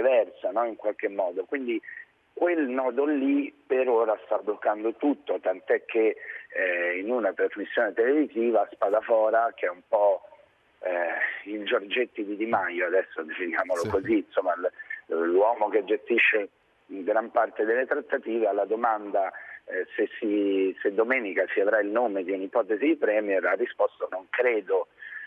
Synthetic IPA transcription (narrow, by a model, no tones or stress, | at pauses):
evɛrsanɔiŋkwalk̟emːɔːd̪okwind̪i | kwelnɔːd̪olipeɾoːɾast̪abːlokːand̪ot̪ut̪ːot̪ant̪oɛkʰːe | inunat̪ɾazmisːjoːnet̪eleviziːvaspaːd̪afɔːɾak̟eɛumpɔ | ild͡ʒord͡ʒet̪ːid̪id̪imajoad̪ɛsːod̪efinjaːmolokozinsomːallwɔːmoked͡ʒːest̪iʃːe | ŋɡɾampart̪ed̪elːet̪ɾat̪ːat̪iːvealːad̪omand̪asesːised̪ːomɛːnikasiavɾailnoːmed̪iunipɔːt̪ezid̪ipɾɛːmjɛrarːispɔst̪onoŋkɾeːd̪o